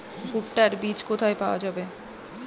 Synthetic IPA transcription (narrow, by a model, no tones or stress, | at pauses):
fuʈːaɾbit͡ɕkot̪ʰaepaoad͡ʑabe